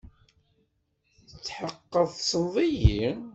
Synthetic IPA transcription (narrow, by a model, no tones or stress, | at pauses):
θət͡sːħəqːəðˤsənðˤiji